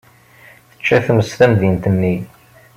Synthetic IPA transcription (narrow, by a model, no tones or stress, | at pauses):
θə̥t͡ʃːæθəməsθæmðint̪ənːi